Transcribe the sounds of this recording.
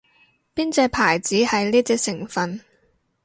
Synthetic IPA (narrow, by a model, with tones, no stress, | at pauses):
piː˥nt͡sɛː˧pʰaː˨˩jt͡siː˨˥hɐ˨jliː˥t͡sɛː˧˥k̚sɪ˨˩ŋfɐ˨n